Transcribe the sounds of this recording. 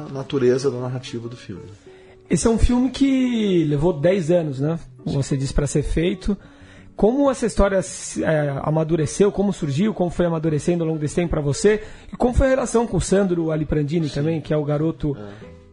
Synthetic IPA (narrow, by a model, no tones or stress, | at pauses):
nat̪uɾezɐd̪ɐnaɦat͡ʃivɐd̪ʊfḭwmɪ | esɪɛũfiwmɪkʰɪlevod̪ɛjzɐ̃nʊznɛ̃vosed͡ʒisɪ̥pɾɐseɾfejt̪ʰʊ | kõmʊɛsɐist̪ɔɾiɐsɛa̰mad̪uɾesewkõmʊsuɾʒiwkõmʊfojamad̪uɾesẽnd̪ʊawlõɡʊd̪esɪ̥t̪ẽmpʊpɾɐvoseɪkõmʊfojɐhelasɐ̃w̃kõʊsɐ̃nd̪ɾʊalipɾɐ̃nd͡ʒĩnɪt̪ɐ̃mbẽj̃kɪɛʊɡaɾot̪ʊ